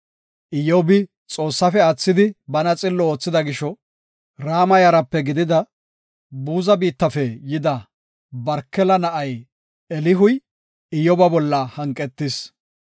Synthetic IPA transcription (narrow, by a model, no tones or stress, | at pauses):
ʔɪjɔbɪ | t͡sʼo̞ːsːɐfɛɐt͡sːɪd̪ɪbɐnɐt͡sʼɪlːɔoːt͡sːɪd̪ɐɡɪʃɔ | ɾaːmɐjɐɾɐpːɛɡɪd̪ɪd̪ɐ | buːzɐbiːt̪ːɐfɛjɪd̪ɐ | bɐɾkːɛlɐnɐʔɐj | ɛlɪɦʊj | ɪjɔbɐbɔlːɐhɐŋkʼɛt̪ːɪs